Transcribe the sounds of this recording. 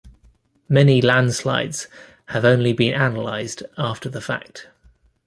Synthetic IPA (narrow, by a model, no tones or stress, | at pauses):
mɛnilãnd̥sla̰ɪdz̥ | həvə̃ʊ̃nlibĩnʔanəla̰ɪzdɑˑftʰəðəfa̰k̚t